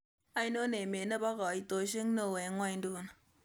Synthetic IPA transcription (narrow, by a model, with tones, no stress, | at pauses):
a˦i˦no˦ne˨me˨ne˦ba˦kɔ˨i˨to˨ʃ̬i˦ŋno˦˨we˨˦ŋʷa˦i˨n˦du˦˨n